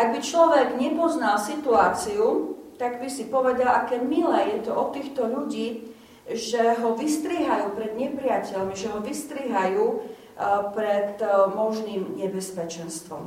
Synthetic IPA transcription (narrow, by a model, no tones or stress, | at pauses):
ʔaɡ̚bit͡ʃlɔʋɛɡɲɛpɔznalsit̪uaːt͡siut̪aɡbisipɔʋɛd̪alʔakɛːmilɛːjɛt̪ɔʔɔt̪ːiːxt̪ɔʎuɟiː | ʒɛɦɔʋist̪ɾiːɦajuːpɾɛd̪ɲɛpɾɪacɛʎmiʒɛɦɔʋist̪ɾiːɦajuː | pɾɛt̪mɔʒniːmɲɛbɛspɛt͡ʃɛnst̪ʋɔ̰m